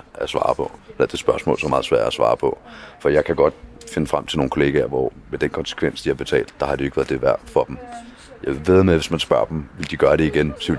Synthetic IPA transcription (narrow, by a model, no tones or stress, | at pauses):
æsʋɑ̰̈ːpʰɒ̽helæd̥e̝sb̥ɶɐsmɔ̰̽ːlsɒmɑ̈ːð̩ˠsʋæɐ̰dæsʋɑ̰̈ːpʰɒ̽fɒjɑ̈ɪkʰæɡ̥ɒ̽d̥fe̝nəfʁam̰t͡sʰe̝lno̝ːnkʰo̝le̝ːɡ̥æɐʋɒmed̥enkʰɒ̽nse̥kʰʋen̰sd̥ihɑ̈b̥e̝t͡sʰɛ̰ːld̥̚ːɑ̈hɑ̈d̥eoe̝ɡ̥ʋæɐðˠd̥e̝ʋæɐ̰d̥fɒ̽d̥em | jɑ̈ɪʋe̝ð̩ˠmeʋe̝smænsb̥ɶɐd̥m̩ʋe̝ld̥iɡ̥ɶːɐɾ̥e̝iɡ̥ensɒʋe